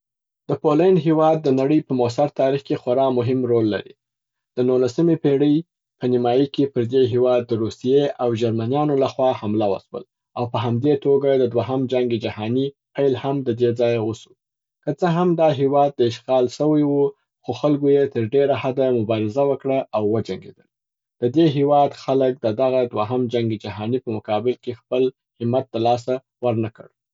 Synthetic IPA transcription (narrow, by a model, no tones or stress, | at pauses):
d̪̥əpolanɦewɑd̪̚ːənaɽəjpəmos̬aɾt̪ɑɾixkexwaɾɑmʊɦɪmɾolːa̰ɾḭ | d̪̥ənulasəmepeɽəj | pənimɑjəkepəɾd̪eɦewɑd̪̚ːəɾusijeawʒaɾmanjɑnolaxwɑhamlawə̰swə̰l | awpəɦamd̪et̪oɡad̪əd̪waɦamd͡ʒaŋɡed͡ʒahɑni | pajlhamd̪əd̪ed͡zɑjwəsu̥ | kət͡səɦamd̪ɑɦewɑd̪̚ːəɪʃɣɑlʃəwəjwu | xoxalɡojet̪əɾɖeɾahad̪amʊbɑɾɪzawəkɽaʔawːəd͡ʒaŋɡḛd̪əl | d̪̥əd̪eɦewɑd̪xalək̚d̪əd̪aɣad̪waɦamd͡ʒaŋɡed͡ʒaɦɑnipəmʊkɑbɪlkexpəl | hɪmat̪̚d̪əlɑs̬a | wəɾnakə̰ɽ